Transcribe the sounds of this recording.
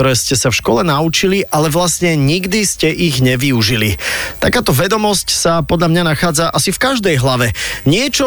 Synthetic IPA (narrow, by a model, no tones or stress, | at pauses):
ɔɾɛːscɛsafʃkɔlɛnaut͡ʃiliʔalɛʋlasɲɛɲiɡd̪iscɛʔiɣɲɛʋiuʒilḭt̪akaːt̪ɔʋɛd̪ɔmɔscsapɔd̪ʎamɲanaxaːd͡zaʔasifkaʒd̪ɛjɦlaʋɛɲɪɛt͡ʃɔ